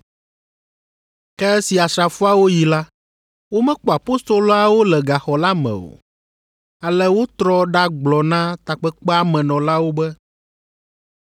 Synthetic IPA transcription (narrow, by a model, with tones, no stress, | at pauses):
kɛ˦ɛ˦si˨a˨sɾa˨fu˦a˦wo˦ji˨la˦ | wo˦mɛ̃˦k͡pɔ˨a˨po˦st̪ɾo˦lo˦a˦wo˦lɛ˨ɡa˨xɔ˨la˦mɛ̰̃˨o̰˨ | a˨lɛ˦wo˦t̪ɾɔ˦ɖa˦ɡ͡blɔ˨nã˦t̪a˨k͡pɛ˦k͡pɛ˦a˦˨mɛ̃˨nɔ̃˨la˦wo˦bɛ˦